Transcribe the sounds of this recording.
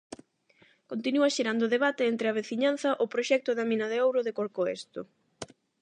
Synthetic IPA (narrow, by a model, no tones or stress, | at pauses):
kont̪inuɐʃeɾand̪ʊðeβ̞at̪eɛnt̪ɾɪɐβ̞eθiɲan̟θɐʔʊpɾoʃɛk̚t̪ʊðɐmĩnɐðeowɾʊðekoɾkoḛst̪o